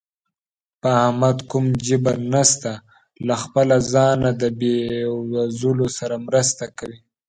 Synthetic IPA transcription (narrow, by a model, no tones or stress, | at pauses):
pəahmad̪kumd͡ʒəbanast̪a | laxpəlazɑnad̪əbewazulosaɾamɾəst̪akawi